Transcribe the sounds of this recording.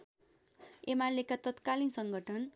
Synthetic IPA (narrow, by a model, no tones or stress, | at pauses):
emalekat̪ʌt̪kalinsʌŋɡʱʌʈʰʌn